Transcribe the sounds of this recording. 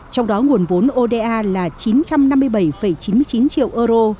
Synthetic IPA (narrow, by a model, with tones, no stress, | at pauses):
t͡ɕɔ˧wŋ͡mɗɔ˨˦ŋu˨˩ənvo˨˦nʔo˧ɗe˧ʔaː˧laː˨˩t͡ɕi˨˦nt͡ɕa˧mna˧mːɨ˧əjɓə˧˩jfə˧˩jt͡ɕi˨˦nmɨ˧əjt͡ɕi˨˦nt͡ɕḭ˧˨əwʔəː˧ɾo˧